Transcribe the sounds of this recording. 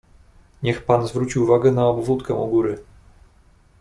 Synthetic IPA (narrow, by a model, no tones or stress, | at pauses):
ɲɛxpanzvɾut͡ɕiwːvaɡɛnaɔbvut̪kɛ̃ɔ̰ɡuɾɘ